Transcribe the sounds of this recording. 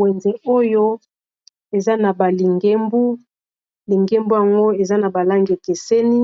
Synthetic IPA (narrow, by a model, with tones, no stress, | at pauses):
we˨nze˨o˦jo˦ | e˨za˦na˨ba˨li˨ŋɡe˦mbu˦ | li˨ŋɡe˦mbu˦ja˨ŋɡo˦e˨za˦na˨ba˨la˦ŋɡi˨e˨ke˨se˦ni˦